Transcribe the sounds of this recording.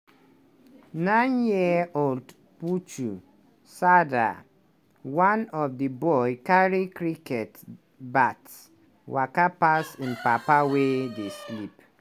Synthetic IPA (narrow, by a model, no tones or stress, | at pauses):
nãnjiold | put͡ʃu | sada̰ | wanɔfdibɔɪkaɹikɾikɛt | bat | wakapasĩnpapawedeslip